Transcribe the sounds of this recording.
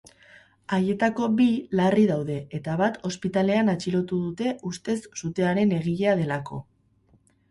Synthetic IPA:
aje̞t̪ako̞bilariðawðe̞et̪aβat̪o̞spit̪ale̞anat͡ʃilo̞t̪uðut̪e̞ust̪e̞sːut̪e̞aɾe̞ne̞ɣ̞iʎe̞að̞e̞lako̞

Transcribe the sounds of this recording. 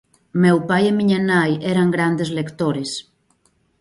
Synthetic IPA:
mewpajemiɲanajɛɾaŋɡɾand̪ezlekt̪oɾes

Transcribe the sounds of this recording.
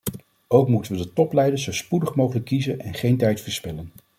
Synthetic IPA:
owkmutənʋədətɔplɛjdəɹszowspudəχmowχələkːizənɛnχejntɛjtfəɹspɪlən

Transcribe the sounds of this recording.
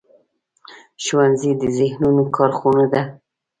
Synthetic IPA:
ʃwanzid̪əzɪhnunokʰɑɾxunod̪a

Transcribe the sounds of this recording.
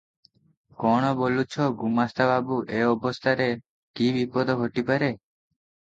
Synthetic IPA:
kɔɽ̃ɔbolut͡ʃʰɔɡumast̪ʰababuʔeɔbɔst̪ʰaɾe | kibipɔd̪ʱɔɡʱoʈipaɾe

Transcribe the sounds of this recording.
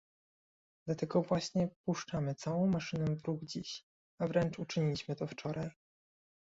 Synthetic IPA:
d̪̥lat̪ɛɡɔvwaɕɲɛpuʂt͡ʂamɘt̪sawɔ̃w̃maʂɘnɛ̃vɾuɡd͡ʑiɕ | avɾɛnt͡ʂut͡ʂɘɲilʲiɕmɘt̪ɔft͡ʂɔɾaj

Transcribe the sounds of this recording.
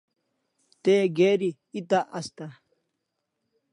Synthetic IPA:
t̪eɡeːɾi | it̪aʔast̪a

